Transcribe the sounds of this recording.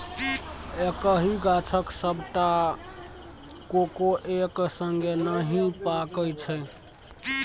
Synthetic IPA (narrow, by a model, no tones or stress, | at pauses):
ekəɦiɡat͡ʃʰəksəbʱʈa | kokoʔeksəŋɡenəɦipakəjt͡ʃʰə